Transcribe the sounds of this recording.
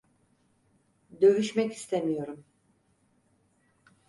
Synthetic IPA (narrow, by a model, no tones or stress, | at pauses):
d̪ø̞vyʃmɛci̥st̪ʰemijo̞ɾum